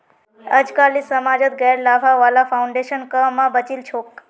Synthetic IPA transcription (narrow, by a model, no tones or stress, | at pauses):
əd͡ʒkalisəmad͡ʒət̪̚ɡɛɾlabʱaʋalafauɳɖeʃənkəmːãbət͡ʃilt͡ʃʰok